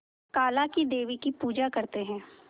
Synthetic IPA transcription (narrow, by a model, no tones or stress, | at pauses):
kaːlakid̪eːʋikipuːd͡ʒakɐɾt̪eɦɛ̃ː